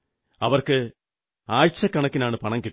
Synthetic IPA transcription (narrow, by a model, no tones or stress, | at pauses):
ɐʋɐrkɨ | aːjt͡ɕːɐkːɐɳɐkːinaːɳɨpɐɳɐŋkiʈː